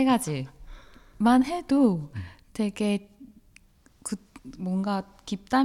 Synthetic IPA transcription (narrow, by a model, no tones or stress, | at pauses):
eɡad͡ʑi | manɦe̞dote̞ɡe̞ | kɯmwʌnɡa | kip̚t͈a